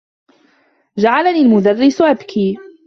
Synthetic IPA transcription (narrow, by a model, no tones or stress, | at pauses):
d͡ʒaʕalaniːlmʊd̪arːɪsʔabkʰiː